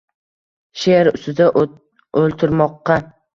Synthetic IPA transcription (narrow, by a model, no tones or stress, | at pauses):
ʃeɾʊ̰st̪ɪd̪a | olˠt̪ʰɪɾmɒqːɑ